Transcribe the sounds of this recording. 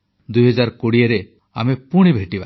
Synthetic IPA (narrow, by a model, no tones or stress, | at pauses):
d̪ujɦɔd͡ʒaɾkoɽieɾe | a̰mepuɽ̃ibʱeʈiba̰